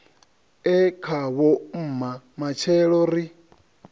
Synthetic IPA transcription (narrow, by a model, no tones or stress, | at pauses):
ɛkʰaβɔm̩mamat͡ʃʰɛɺɔɾi